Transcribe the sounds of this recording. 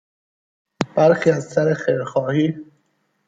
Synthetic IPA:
b̥æɾxiːæzsæɾexejɾxɒːhiː

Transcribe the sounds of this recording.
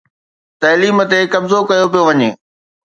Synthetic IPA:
t̪ɐːliːmə̆t̪ekɐbzokɐjopijoʋɐɲeː

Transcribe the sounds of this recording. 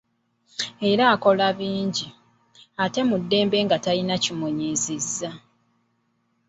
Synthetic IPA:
e̞ɾaːko̞laβiːɲɟi | ate̞mudːe̞ːmbe̞ːŋɡatalinacimoɲezizːa

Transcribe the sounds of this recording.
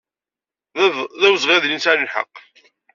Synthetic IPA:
ðæwzʁeðlinsaɾəlħə̰qː

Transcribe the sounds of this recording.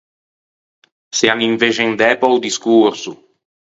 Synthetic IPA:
seaniɱvet͡ʃend̪ɛpɔwd̪iskuɾsu

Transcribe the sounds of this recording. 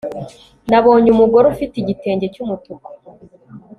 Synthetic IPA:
naβo̞ːɲumuɡoɾofitiɟite̞ːɲɟe̞cumutuko̥

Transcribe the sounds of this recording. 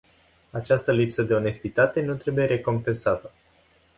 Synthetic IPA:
at͡ʃast̪əlipsəd̪e̞o̞ne̞st̪it̪at̪e̞nut̪ɾe̞buje̞ɾe̞ko̞mpe̞nsat̪ə

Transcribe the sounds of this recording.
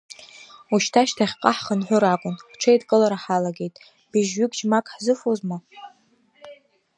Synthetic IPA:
uʃtʰaʃtʰaχʲqʼaħχənħʷʊɾakʷʼʊnʈ͡ʂʰejtʼkʼɨlaɾaħalaɡʲe̞jtʼ | b̥iʒɥʏɡd͡ʒmakʼħzɨfozma

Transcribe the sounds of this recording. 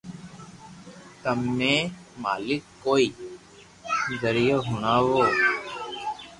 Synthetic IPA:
t̪əmːẽːmaːlɪkːoːiː | zəɾɪjoːɦʊɳaːʋoː

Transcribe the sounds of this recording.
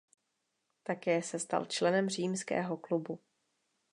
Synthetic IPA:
t̪akɛːsɛst̪a̰lt͡ʃlɛnɛmr̝iːmskɛ̰ːɦo̞klubu

